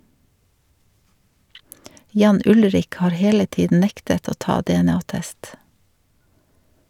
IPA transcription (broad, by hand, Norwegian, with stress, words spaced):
ˈjɑːn ˈʊlɾɪk ˈhɑːɾ ˈheːlə ˈtiːdn̩ ˈnɛktət ˈoː ˈtɑː dɛɛˈnɑːˌtɛst